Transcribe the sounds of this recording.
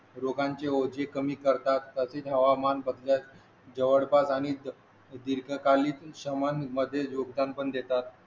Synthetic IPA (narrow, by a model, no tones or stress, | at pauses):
ɾoɡaɲt͡ɕeod͡ʑekəmiːkəɾt̪at̪ːəset̪ɦəʋamanbəd̪lja | d͡ʑəʋəɽbasaɽ̃i | d̪iɾɡəkaliːt̪ɕəmanməd̪ʱːjed͡ʑoɡd̪anpəɳd̪et̪at̪